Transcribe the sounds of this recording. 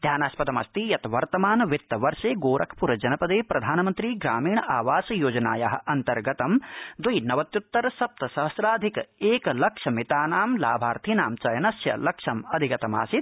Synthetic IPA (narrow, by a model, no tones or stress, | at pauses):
d̪ʱjaːnaːspɐt̪ɐmɐ̰st̪ijɐt̪ʋɐɾt̪ɐmaːnʋit̪ːɐʋɐɾʂeːɡoːɾʔɐkʰpuɾɐd͡ʒɐnɐpɐd̪eːpɾɐd̪ʱaːnɐmɐnt̪ɾiːɡɾaːmiːɳʔaːʋaːsɐjoːd͡ʒɐnaːjaɦɐ̆ʔɐnt̪ɐɾɡɐt̪ɐmd̪ujnɐʋɐt̪jut̪ːɐɾɐsɐp̚t̪ɐsɐɦɐsɾaːd̪ʱikeːkɐlɐkʂɐmit̪aːnaːmlaːbʱaːɾt̪ʰinaːmt͡ʃɐjɐnɐsjɐ̰lɐkʂɐmɐd̪ʱikɐt̪ɐma̰ːsit̪̚